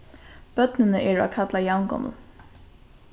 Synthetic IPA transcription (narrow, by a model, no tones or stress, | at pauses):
b̥œt̪nɪnəʔɛːɹa̰kʰat̪lajawnɡɔ̰məl̩